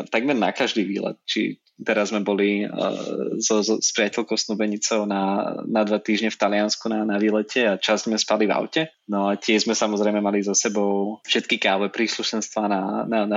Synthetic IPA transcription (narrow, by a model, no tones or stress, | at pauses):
t̪aɡmɛɾna̰kaʒd̪iːʋḭːlɛ̰t̪̚t͡ʃḭ | t̪ɛɾazmɛbɔli | zɔzɔspɾɪacɛlkɔʊslubɛɲit͡sɔʊnanad̪ʋat̪iːʒɲɛft̪alɪanskunanaʋiːlɛcʰɛat͡ʃazzmɛspaliva̰ʊcɛ | nɔacɪɛʒzmɛsamɔzɾɛjmɛmalizɔsɛbɔʊfʃɛt̪kikaːɦʋɛpɾiːsluʃɛnst̪ʋaːnanana